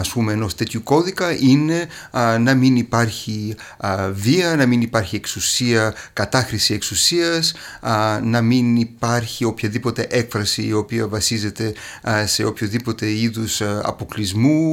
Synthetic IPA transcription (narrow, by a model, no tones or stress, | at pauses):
ɐspumeːno̞st̪e̞t̪çuko̞ðikɐʔine̞nɐminipɐɾçi | viɐnɐminipɐɾçie̞ksusiɐkɐt̪ɐxɾisie̞ksusiɐs | nɐminipɐɾçio̞pçɐðipo̞t̪e̞ʔe̞kfɾɐsiːo̞piɐvɐsize̞t̪e̞ | se̞o̞pçoðipo̞t̪e̞iðusɐ̰po̞klizmu